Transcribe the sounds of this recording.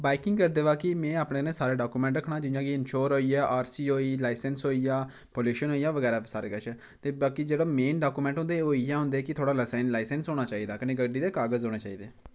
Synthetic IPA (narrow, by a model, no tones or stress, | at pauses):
baːɪkɪ̃ŋɡkəɾd̪eːʋaːkɪmɛ̃ːaːpɽẽːnẽːsaːɾeːɖaːkuːmɛ̃ɳʈɾəkʰnaːd͡ʒɪjãːɡiɪnʃoːɾɦoːiɛːʔaːɾsiːɦoːiːlaːɪsənsɦoːiːaː | poːluːʃənɦoːijaːʋəɡɛːɾaːsaːɾeːɡət͡ʃɛː | t̪eːbaːkid͡ʒeːɽaːmeːnɖaːkuːmɛ̃ːɳʈɦʊ̃nd̪eːɦoːiːɛ̃ːɦʊ̃nd̪eːkɪt̪ʰoːɽaːləsaːɪnlaːɪsənsɦoːɽ̃aːt͡ʃaːiːd̪aːkənẽːɡəɖiːd̪eːkaːɡəzɦoːɽeːt͡ʃaːiːd̪eː